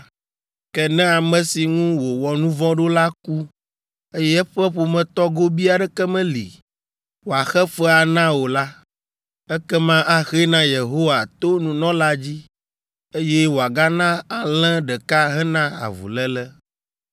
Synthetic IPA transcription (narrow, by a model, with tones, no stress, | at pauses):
kɛ˨nɛ̃˦a˨mɛ̃˨si˨ŋũ˦wo˨wɔ˨nũ˦vɔ̃˦ɖo˦la˦ku˦ | e˦jɛ˦ɛ˦ɸɛ˦ɸo˨mɛ̃˨t̪ɔ˦ɡo˦bi˦a˨ɖɛ˦kɛ˦mɛ̃˦lḭ˨ | wo˨a˨xɛ˦fɛ˦a˨nã˦wo˨la˦ | ɛ˦kɛ˦mã˦ʔa˦xe˦nã˦je˨ɦo˦wa˨t̪o˦nũ˨nɔ̃˦la˦d͡ʑi˦ | e˦jɛ˦wo˨a˨ɡa˦nã˦a˨lɛ̃˦ɖɛ˨ka˦ɦɛ̃˦nã˦a̰˨vṵ˨lɛ˦lɛ˦